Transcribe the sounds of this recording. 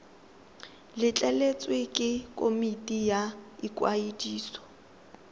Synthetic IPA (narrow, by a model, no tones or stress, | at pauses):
lɪt͡ɬʼɛlet͡sʼwekʼɪkʼomitʼijaikʼwaidiːsɔ̥